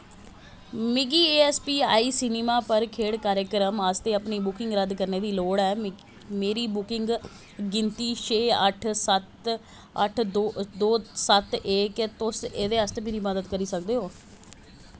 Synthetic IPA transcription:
mɪɡiːeːɛːspiːaːiːsɪneːmaːpəɾkʰeːɽkaːɾəkɾəməst̪eːəpniːbʊkɪŋɡɾəd̪kəɾneːd̪iːloːɽɛː | meːɾiːbʊkɪŋɡ | ɡɪnt̪iːʃʰeːəʈʰsət̪ | ə̰ʈ̪ʰːd̪oːsət̪eːkt̪ʊseːd̪eːəst̪eːmeːɾiːməd̪əd̪kəɾiːsəkd̪eːoː

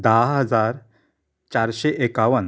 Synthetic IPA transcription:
d̪aɦəd͡zaɾ | t͡ɕaɾɕeʔekaʋən

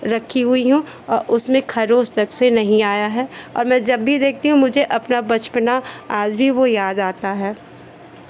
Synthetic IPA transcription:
ɾɐkʰːiɦʊiɦũ | ɔːɾʔʊsmẽkʰɐɾoːst̪ɐksenɐɦĩaːjaɦɛːɔ̰ːɾmɛ̃ːd͡ʒɐbːʱid̪eːk̚ʰt̪iɦũmʊd͡ʒʱeʔɐpnabɐt͡ʃpnaaːd͡ʒbʱiʋojaːd̪aːt̪aɦɛː

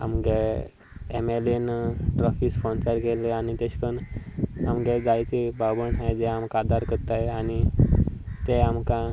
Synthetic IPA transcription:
a̰mɡe | emelenʈɾɔfispɔ̃nsəɾkeleanit̪eɕkəna̰mɡed͡zajt͡sebabənɦajd͡zɛamkad̪aɾkəɾt̪aeani | t̪eamkã

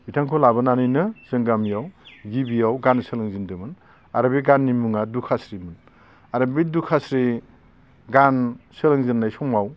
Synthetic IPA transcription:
bitʰaŋkʰɔlabɯnanɯjnɯzɯŋɡamijawɡibijawɡansɯlɯŋzindɯmɯn | aɾɯbiɡanːimuŋadukʰasɾimɯn | aɾɯbidukʰasɾi | ɡansɯlɯŋzɯnːajsɔŋaw

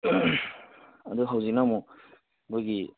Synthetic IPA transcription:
aduɦawzik̚namɔ | mojɡi

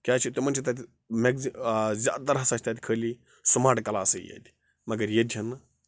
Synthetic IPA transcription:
kʲaːt͡ʃʰit̪umɐnʲt͡ʃʰit̪ɐt̪ʲi | meɡzizʲa̰ːt̪ɐɾɦɐsaːt͡ʃʰʲt̪at̪i̥kʰəːlʲi | sumaːʈkɐlaːsɨjḛd̪ʲ | mɐɡɐɾjed̪ʲɐn

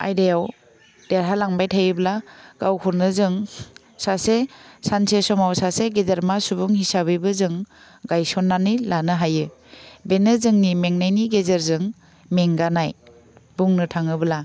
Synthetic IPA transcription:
a̰jdajaw | d̥eɾɦalaŋbajtʰajɯblaɡ̥awkʰuɾnɯzɯŋ | sasesansesɔmawsaseɡedeɾmasubuŋhisabɯjbɯzɯŋ | ɡajsɔnːanilanɯɦajɯ | benɯzɯŋnimeŋnajniɡezeɾzɯŋ | meŋɡanaj | buŋnɯtʰaŋɯbɯla

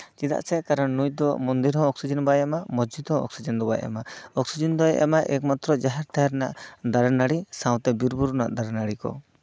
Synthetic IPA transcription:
t͡ʃid̪a̰ʔsɛkaɾɔnːujd̪ɔmɔnd̪iɾɦɔ̃ɔksid͡ʒɔnbaamamɔd͡ʒd͡ʒit̪hɔ̃ɔ̰ksid͡ʒɔnd̪ɔbajɛa̰maɔksid͡ʒɔnd̪ɔɛ̰ʔa̰maʔɛkmat̪ɾɔd͡ʒaɦɛɾt̪ʰaɦɛɾnaʔd̪aɾnaɽisãw̃t̪ɛbiɾbuɾna̰ʔd̪aɾnaɽikɔ̰

